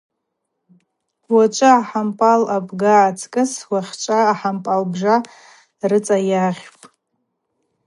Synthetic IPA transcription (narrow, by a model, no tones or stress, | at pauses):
wat͡ʃʷʼɨaħampʼalabɡaːt͡sʰkʼɨswaχʲt͡ʃʷʼaːħampʼalbʐa | rɨt͡sʼajaχʲpʼ